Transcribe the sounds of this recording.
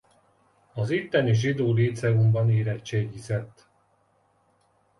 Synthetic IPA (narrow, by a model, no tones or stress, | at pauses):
ɒzit̪ːɛniʒid̪oːliːt̪sɛɡumbɒniːɾɛt̪t͡ʃeːɡizɛt̪ː